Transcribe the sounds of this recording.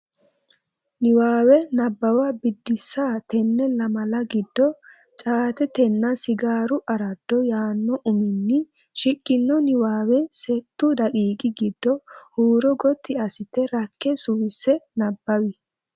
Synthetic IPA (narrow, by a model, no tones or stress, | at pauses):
nɪwaːwɛnɐbːɐwɐbɪd̪ːɪsːaːt̪ɛnːɛlɐmɐlɐɡɪd̪ːɔ | t͡ʃʼaːt̪ɛt̪ɛnːɐsɪɡaːɾʊʔɐɾɐd̪̥ːɔjaːnːɔʔʊmɪnːɪ | ʃɪkʼːɪnːɔnɪwaːwɛsɛt̪ːʊd̪ɐkʼiːkʼɪɡɪd̪̥ːɔhuːɾɔɡɔt̪ʰːɪɐsɪt̪ːɛɾɐkːɛsʊwɪsːɛnɐbːɐwɪ